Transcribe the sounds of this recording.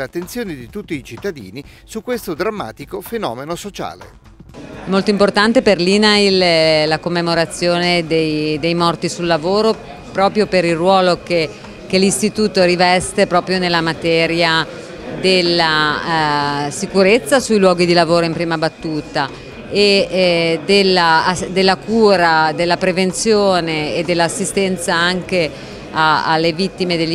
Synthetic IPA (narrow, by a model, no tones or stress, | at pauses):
at̪ːent̪sjoːned̪it̪ut̪ːiːt͡ʃit̪ːad̪ḭːni | sukːwest̪od̪ɾamːa̰ːt̪ikofenɔ̰ːmenosot͡ʃa̰ːlḛ | ɛmːolt̪oimport̪ant̪eperlinaillakomːemoɾat̪sːjoːned̪ejd̪ejmɔrt̪isulːavoːɾo | pɾɔːpɾjopeɾilrwɔːloke | kelist̪it̪uːt̪oɾivɛst̪epɾɔːpɾjonelːamat̪ɛːɾja | d̪elːa | sikuɾet̪sːasujlwɔːɡid̪ilavoːɾoimpɾiːmabat̪ːuːt̪a | e | d̪elːad̪elːakuːɾad̪elːapɾevent̪sjoːneːd̪ːelːaːsːist̪ɛnt̪saaŋke | aa̰lːevit̪ːimed̪elː